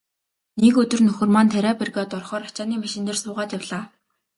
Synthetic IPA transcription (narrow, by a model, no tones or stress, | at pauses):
nekɵt̪ɵ̆rnɵxɵ̆rmant̪ʰæɾæːperɣaːt̪ɔrχɔːɾat͡ɕaːniːmaʃɪ̆nt̪ɘ̆rsʊːʁaːt̪jawɮaː